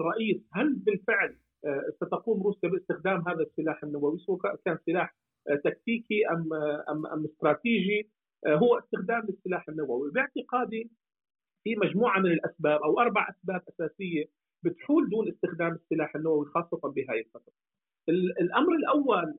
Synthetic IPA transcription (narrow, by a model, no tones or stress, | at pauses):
rˤːɑʔiːshalbɪlfɪʕlː | sat̪aquːmɾuːsjabɪɪst̪ɪxd̪aːmɦaːðasːɪlaːħɪnːawawiswakakaːnsːɪlaːħ | t̪ak̚t̪iːkiʔamːʔa̰mːʔa̰mːɪst̪ɾˤɑːt̪iːʒi | ɦʊwːaʔɪst̪ɪxd̪aːmlɪsːɪlaːħɪnːawawibɪʕt̪ɪqaːd̪i | fimaʒmuːʕamɪnɪlʔasbaːbʔawʔɑɾˤbaʕʔasbaːbʔasaːsɪjːe | bɪt̪ħuːld̪uːnʔɪst̪ɪxd̪aːmɪsːɪlaːħɪnːawawixɑːsˤːɑt̪ɑnbɪɦaːjɪfɑt̪ɾ | ʔɪlɪlʔamɾɪlʔawːal